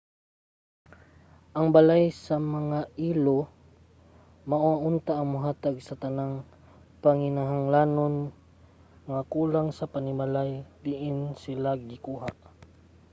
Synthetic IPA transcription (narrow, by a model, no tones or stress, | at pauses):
ʔɐŋbalajsɐmɐŋaʔiːlo | maʔoaʔʊnt̪aʔɐŋmʊɦaːt̪aɡsɐt̪ɐnaŋ | pɐŋɪnaɦaŋlaːnon | ŋakuːlaŋsɐpanɪmalajb̪ɪʔɪnsɪlaɡɪkuːɦaʔ